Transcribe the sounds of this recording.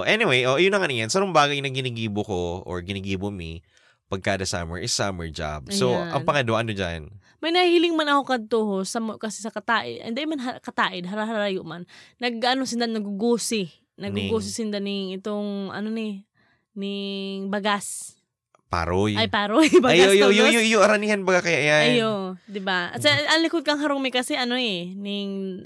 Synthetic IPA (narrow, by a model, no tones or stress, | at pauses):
ʔoʔɛniwejʔoʔjʊnːɐŋɐnɪŋjansɐnoŋbaːɡɐjnɐɡɪniɡiːbokoʔo̰ɹɡɪniɡiːbomi | pɐɡ̚kad̪ɐsa̰mɛ̰ɹʔɪsamɛɹd͡ʒa̰b̚soʔɐ̰ŋpɐŋɐd̪oaʔɐnod͡ʒa̰n | mɐjnɐhhilɪŋmanɐkokɐd̪̚t̪ohosɐmkɐsɛsɐkɐt̪aːʔɪ̰d̪ɐ̰nd̪aʔjmanɦkɐt̪aːʔɪd̪̚ɦɐɾaɦaɾɾajʊʔmanːɐɡɐnosɪnd̪anɐɡʊɡuːsɪ | nɐɡɡʊɡoːs̬ɪsɪnd̪anɪŋʔɪt̪oŋʔɐ̰nonɪ | nɪŋbaɡas | pa̰ɾojajpaːɾojbaaojjojojoɐɾɐniːhanbaɡakɐjaʔjajjod̪ɪbasɛɐnlɪkod̪̚kɐŋɦɐɾoŋmɪkɐsɛʔɐnoenɪŋ